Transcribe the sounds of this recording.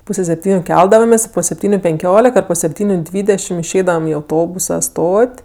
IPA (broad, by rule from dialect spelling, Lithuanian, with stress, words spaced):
ˈpuːsʲɛ sʲɛpʲˈtʲiːnʲʊ ˈkʲɛlˠdɐʋɐmʲeːsʲ poː sʲɛpʲˈtʲiːnʲʊ pʲɛŋʲˈkʲoːlʲɪk ɐr poː sʲɛpʲˈtʲiːnʲʊ ˈdʲʋʲiːdʲɛʃʲɪm ɪʃʲˈɛɪdɐʋɐm ɪ ɐʊˈtoːbʊsɐ ˈstoːtʲ